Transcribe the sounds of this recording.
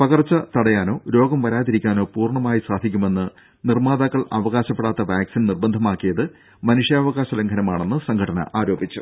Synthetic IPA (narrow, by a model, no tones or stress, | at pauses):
pɐɣɐrt͡ɕːɐt̪ɐɽɐjaːno̞ːɾo̞ːɡɐmʋɐɾaːt̪iɾikʲːaːno̞ːpuːrɳɐmaːjisaːd̪ʱikʲːume̞nːɨ | nirmaːðaːkːɐɭɐ̰ʋɐɣaːɕɐpːeɽaːt̪ːɐʋaːksinnirbɐnd̪ʱɐmaːkːijɐðɨ | mɐnuʂjaːʋɐɣaːɕɐleŋɡʰɐnɐmaːɳe̞nːɨsɐŋɡʰʱɐɽɐnɐ̰ʔaːɾo̞ːbit͡ɕːṵ